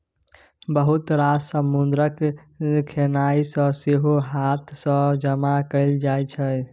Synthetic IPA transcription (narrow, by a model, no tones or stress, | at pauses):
bəɦut̪ɾasəmːund̪ɾək | kʰenaisə̃seɦoɦat̪ʰsə̃d͡ʒəmakəld͡ʒajt͡ʃʰɛ